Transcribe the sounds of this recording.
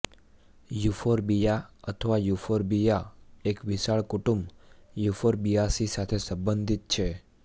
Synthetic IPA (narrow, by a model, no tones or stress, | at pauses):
jufoɾbijaət̪ʰəʋajufoɾbijaekʋisaɭkuʈumbjufoɾbijasisat̪ʰesəmbənd̪ʱit̪̚t͡ʃʰe